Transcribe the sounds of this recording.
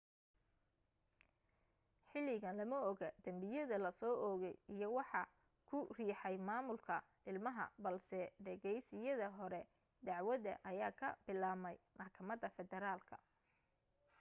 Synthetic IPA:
ħɪlɪɣɐnlɐmɐɔɣɐd̪̥ɐmbɪjɐðɐlɐsɔːʔɔːɣɛjijɔwɑħɑ | kʰʊriːħɑjmaːmʊlkʰɐ | ɪlmɐɦɐ̰bɐlsɛɖɐɣɛjsɪjɐðɐɦɔɾɛ | d̪ɑʕwɐðɐ̰ʔɐjaːkʰɐ̰bɪlaːmɛjmɐħkʰɐmɐd̪ɐfɛðɛɾaːlkʰɐ̥̰

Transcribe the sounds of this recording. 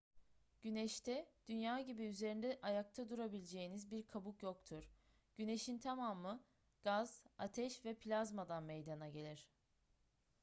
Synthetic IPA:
ɟ̥ynɛʃt̪ʰɛd̪̥ynjaːɟibiyze̞ɾind̪ɛʔajak̚t̪ʰad̪uɾabilʲed͡ʒe̞jinizbiɾkʰabukjo̞kt̪ʰuɾ̥ | ɟ̥yne̞ʃint̪ʰamaːmɯ | ɡ̥azat̪ʰɛʃvɛpʰlʲazmad̪anmejd̪anaɟe̞lʲiɾ̥

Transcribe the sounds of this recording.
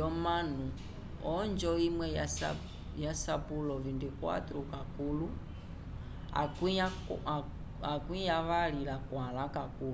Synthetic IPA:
jɔmanu | ɔnd͡ʒɔimwɛjas | jasapulɔvindikwa̰tɾukakulu | a̰ka | akwijaβalilakwalakaku

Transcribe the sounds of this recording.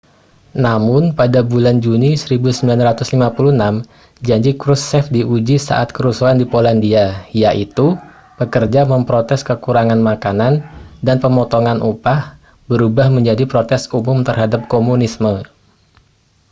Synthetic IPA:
namʊnpadabuland͡ʒunisəɾibusəmbilanrat̪ʊslimapulunam | d͡ʒaɲd͡ʒikɾusːɛfdiʔud͡ʒisa̰ʔa̰t̪̚kəɾusaandipolandiajaʔit̪u | pəkərd͡ʒaməmpɾot̪ɛskəkuɾaŋanmakanandanpəmɔt̪ɔŋanʔupah | bəɾubahməɲd͡ʒadipɾot̪ɛsumʊmt̪ərɦadap̚komunismə

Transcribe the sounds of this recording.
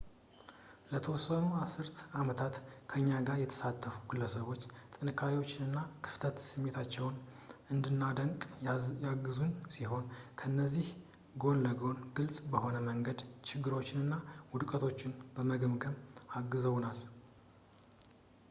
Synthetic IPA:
lət̪ʰəwɔsːənuasɨɾt̪amət̪ʰat̪kʰəɨɲːaɡaɾjɛt̪ʰə̥sat̪ʰːəfu̥ɡɨlːəsəβo̞t͡ʃːt̪ʼɨnɨkʰːaɾiwo̞t͡ʃːɪnɨnːakʰɨ̥ft̪ʰət̪sɨmːet̪ʰat͡ʃːɛwnɨnd̪ɨnːad̪əŋkʼjaɡɨzunsiɦo̞nkʰəɨnːəzːih | ɡo̞nləɡo̞nɡɨlsʼbəho̞nəməŋɡəd̪t͡ʃɪɡːɨɾo̞t͡ʃːɪnɨnːawʊd̪kʼət̪ʰo̞t͡ʃːɪnb̥əməɡəmɡəmaɡɨzəwnal

